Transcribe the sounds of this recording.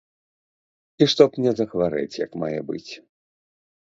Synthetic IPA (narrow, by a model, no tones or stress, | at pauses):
iʂt̪ɔpmnʲɛzɐɣvaɾɛ̰t͡sʲjɐkmajɛbɨ̰t͡sʲ